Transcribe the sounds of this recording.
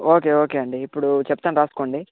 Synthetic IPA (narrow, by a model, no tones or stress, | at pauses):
oːke̞ːoːkeːɐɳɖiːpːuɽut͡ʃɛpːut̪aːnɾaːsu̥koːɳɖi